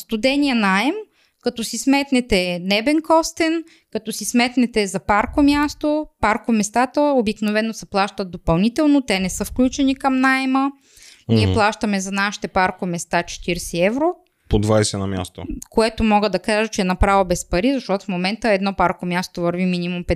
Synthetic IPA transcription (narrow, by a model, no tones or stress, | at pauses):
st̪ʊd̪ɛniɐnaɛm | kɐt̪ɔsismɛt̪nɛt̪ɛnɛbɛŋkɔst̪ɛn | kɐt̪ɔsismɛt̪nɛt̪ɛzɐpaɾkomʲjast̪opaɾkomɛst̪at̪əobiknovɛnːosɛplˠaʃt̪ət̪̚d̪opɐlˠnit̪ɛlˠnot̪ɛnɛsɤfklʲut͡ʃɛnikɐmnaɛmə | niɛplˠaʃt̪əmɛzɐnaʃi̥t̪ɛpaɾkomɛst̪at͡ʃɛ̥t̪iɾsɛɛvɾo | pod̪vajsɛnɐ̰mʲja̰st̪o̰koɛt̪omɔɡəd̪ɐkaʒətt͡ʃɛɛnɐpɾavobɛspɐɾizɐʃt̪ɔt̪ʊ̥fmomɛnt̪əɛd̪nɔpaɾkomʲjast̪ovɐɾviminimumpɛ